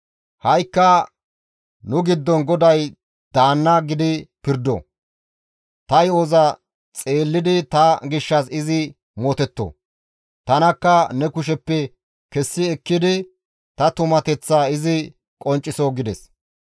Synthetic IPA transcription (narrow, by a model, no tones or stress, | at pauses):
hɐjkːɐ | nʊɡɪd̪ːɔnɡɔd̪ɐj | d̪̥aːnːɐɡɪd̪ɪpɪɾd̪o̰ | t̪ɐjoːzɐ | t͡sʼe̞ːlːɪd̪ɪt̪ɐɡɪʃːɐsɪzɪ | mot̪ɛt̪ːo̰ | t̪ɐnɐkːɐnɛkʊʃ̬ɛpːɛ | kɛsːɪɛkːɪd̪ɪ | t̪ɐt̪ʊmɐt̪ɛt͡sːaːɪzɪ | kʼɔnt͡ʃʼːɪsoɡɪd̪ɛs